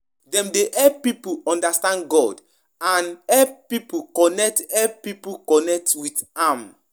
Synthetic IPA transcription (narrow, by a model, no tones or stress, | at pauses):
dɛ̃mdeʔɛpipuɔ̃ndastãndɡɔd | ãnɛpipukɔnɛk̚tɛpipukɔnɛk̚twitãm